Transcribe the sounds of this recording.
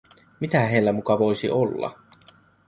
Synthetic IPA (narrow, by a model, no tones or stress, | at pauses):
mit̪æɦejlːæmukɑʋo̞jsḭʔo̞lːɑ̰